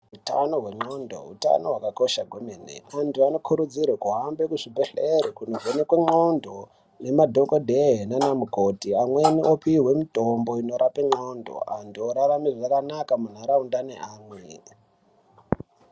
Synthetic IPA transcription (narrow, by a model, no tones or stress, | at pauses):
ɦuta̰no̞ɦwe̞ŋ͡ǃondʱo̞̰ɦṵta̰noɦwakako̞ʃaɡʱwemeːnḛantuano̞kʰuɾud͡zirekuɦambe̞kuʐibʱeɬeɾikunovonekweŋ͡ǃondo̞ | ne̞madʱo̞kodʱeɦenanamukotiamwe̞niopiːɦwe̞mitombo̞ino̞ɾʔapeŋ͡ǀo̞ndʱo̞̰a̰ntuoɾaramiʐakanakamun̤aɾaundaneʔaːmwe